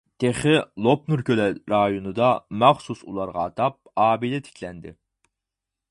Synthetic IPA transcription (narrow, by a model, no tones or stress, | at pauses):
t̪ʰeχɪlˠop̚nuɾkʲølɛɾɑjonɨd̪ɑmæχsusulˠɑɾʁɑ̰ːt̪ʰɑp̚ɑːbilɪt̪ʰɪ̥kʲʰlɛnd̪ɪ̰